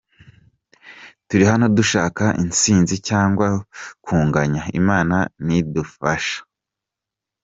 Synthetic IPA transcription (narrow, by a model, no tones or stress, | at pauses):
tuɾiɦano̞duʃaːkaʔint͡siːnzicaːŋɡwakuːŋɡaɲaḭmaːnanidufaʃḁ